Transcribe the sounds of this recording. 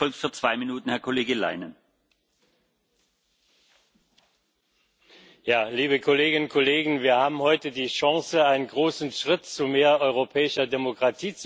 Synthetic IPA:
ɔlk̚tfyːɐt͡sv̥aɪminuːtn̩hɛɐkʰoleːɡəla̰ɪnən | jaːliːbəkʰoleːɡɪnʊnkʰoleːɡŋ̩viːɐhaːbm̩hɔʏtədiːʃaŋsəaɪnənɡʁoːsn̩ʃʁ̥ɪtt͡sumeːɐɔʏʁ̞opʰɛːɪʃɐdemokʁ̥atʰiːt͡s

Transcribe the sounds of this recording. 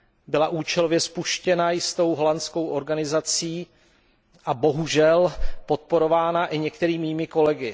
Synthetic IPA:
bɪlaʔuːt͡ʃɛlovjɛspuʃcɛnajɪst̪o̞wɦolant͡sko̞wʔo̞ɾɡanɪzat͡siː | ʔabo̞ɦuʒɛlpo̞t̪̚po̞ɾo̞vaːnaʔɪɲɛkt̪ɛɾiːmiːmɪko̞lɛɡɪ

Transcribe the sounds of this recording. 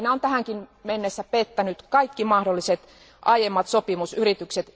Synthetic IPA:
neont̪æhæŋkinmenːesːæpet̪ːænyt̪kɑikːimɑhdolːiset̪ | ʔɑjemːɑt̪sopimusyrit̪ykset̪

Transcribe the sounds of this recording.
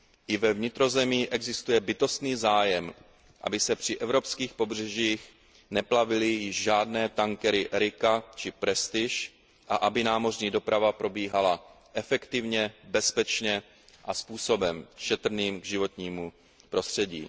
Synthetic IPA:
ʔɪvɛvɲɪt̪ɾo̞zɛmiːʔɛɡzɪst̪ujɛbɪt̪o̞st̪niːzaːjɛm | ʔa̰bɪsɛpr̝̥ɪʔɛvɾo̞pskiːxpo̞br̝ɛʒiːx | nɛplavɪlɪjɪʒʒaːdnɛːt̪aŋkɛɾɪʔɛɾɪkat͡ʃɪpɾɛst̪ɪʃ | ʔaʔabɪnaːmo̞rɲiːdo̞pɾavapɾo̞biːɦala | ʔɛfɛkt̪ɪvɲɛbɛspɛt͡ʃɲɛ | ʔaspuːso̞bɛmʃɛt̪r̩niːmɡʒɪvo̞t̪ɲiːmu | pɾo̞st̪r̝̥ɛɟḭː

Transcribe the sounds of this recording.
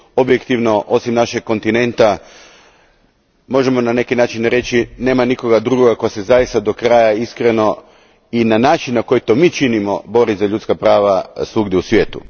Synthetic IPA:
o̞bjekt̪iʋno̞ʔo̞simnaʃe̞k̚ko̞nt̪ine̞nt̪a | mo̞ʒe̞mo̞nane̞kinaːt͡ʃinɾe̞t͡ʃine̞ːmaniko̞ɡad̪ɾuɡoɡako̞jase̞zajist̪ad̪o̞kɾajaiskɾe̞no̞ | inanaːt͡ʃinnako̞jit̪o̞miːt͡ʃinimo̞̰bo̞ɾizaʎut̪skapɾaːʋasuɡd̪jeusʋje̞ːt̪ṵ

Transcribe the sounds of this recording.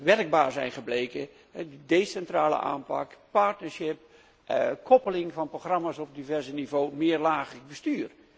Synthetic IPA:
ʋɛrəɡ̚baːɹzɛ̰jnχəblejkə | ɦɛdədesɛntraːlə̰ʔa̰ːmpɑ̰kpaɹtnəɹsɪp | kʰɔpəlɪŋvɑnproxrɑmaːsɔb̚divɛɹzənivoːmɪːrlaːχərəɡ̚bəstyːr

